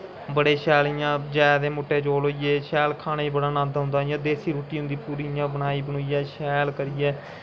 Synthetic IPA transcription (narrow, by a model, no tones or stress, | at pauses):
bəɽeːʃɛːlijãːd͡ʒaːd̪eːmoːʈːeːt͡ʃoːlɦoːijeːʃɛːlkʰaːneːiːbəɽaːnãːnd̪ɦʊ̃nd̪aːijãːd̪eːsiːɾoːʈiːɦʊ̃nd̪iːpuːɾiːjãːbənaːiːbənoːiːɛːʃɛːlkəɾɪjɛː